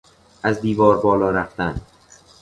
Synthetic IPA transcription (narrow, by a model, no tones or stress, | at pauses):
ʔæzd̪iːvɒːɾbɒːlɒːɾæft̪æn